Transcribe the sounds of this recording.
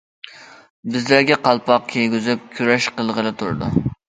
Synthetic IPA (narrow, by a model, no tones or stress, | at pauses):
bɪzlæɾɡʲɛqʰɑlˠpʰɑq̚kʲʰejɡʲyzɪp̚kʲʰyɾɛʃqəlˠʁəlɨt̪ʰṵɾd̪ṵ